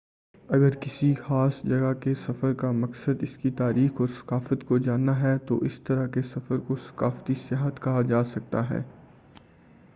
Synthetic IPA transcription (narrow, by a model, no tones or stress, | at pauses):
ɐɡəɾkɪsixaːsd͡ʒɐɡakesɐfəɾkamɐksəd̪ɪskit̪aːɾiːxɔːɾsɐ̥kaːfət̪kod͡ʒaːnːaɦɛt̪oʔɪst̪ɐɾakesɐfəɾkosɐ̥kaːft̪isjaːɦət̪kɐɦad͡ʒaːsɐk̚t̪aɦɛ̰ː